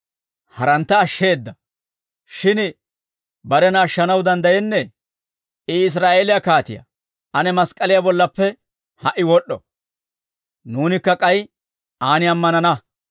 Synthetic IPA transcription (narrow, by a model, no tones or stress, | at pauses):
hɐɾɐnt̪ːɐːʃːe̞ːd̪ːɐ | ʃɪn | bɐɾɛnɐːʃːɐnɐwd̪ɐnd̪ɐjɛnːɛ | ɪɪs̬ɾaːʔeːlɪjakaːt̪ɪ̰jɐ̰ | ʔɐnɛmɐskʼɐlɪjabɔlːɐpːɛ | hɐʔɪwɔɗːɔ | nuːnɪkːɐkʼɐj | aːnɪɐmːɐnɐnɐ